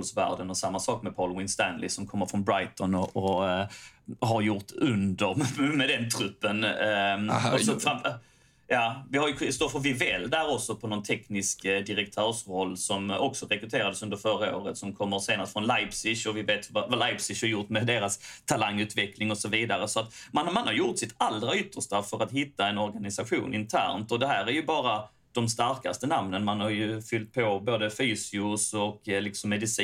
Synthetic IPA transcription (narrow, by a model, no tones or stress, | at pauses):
lsvæ̰ːɖ̪ənɔsamːasɑːkmɛpʰɑlwɪnst̪ænlɪsɔmkʰɔmːəɾfɾɔnbɾajt̪ɔnɔɔ | ɦaɾjʊʈɵnd̪əɾmmɛd̪ɛnt̪ʰɾɵpːən | ɔsɔfa | jɑːvɪhaɾjɵkʰɪst̪oːɾfɔvɪvɛld̪æɾɔksɔpʰɔnɔnt̪ʰɛknɪskd̪ɪɾɛkt̪ʰœːɾʂɾɔlːsɔmɔksɔɾɛkɾɵt̪ʰeːɾad̪əsɵnd̪əɾfœɾao̰ːɾət̪sɔmkʰɔmːəɾseːnast̪fɾɔnlaɪpsɪɕɔvɪveːt̪vavalajpsɪʃhɑɾjʊʈmɛd̪eːɾast̪ʰalaŋːʉ̟ːt̪vɛklɪŋɔsɔviːd̪aɾəsɔat̪manmanhaɾjʊʈ̪sɪt̪ald̪ɾaʏt̪ːəʂt̪afœɾat̪ɦɪt̪ːaɛnɔɾɡanɪsaɧṵːnʔɪnt̪ʰæ̰ːɾnt̪ɔd̪ɛɦæːɾæɾjɵbɑːɾa | d̪̥ɔmst̪aɾka̰st̪ənamnənmanhaɾjɵfʏlt̪̚pʰɔboːd̪əfyːsɪʊsɔklɪksɔmːɛd̪ɪsi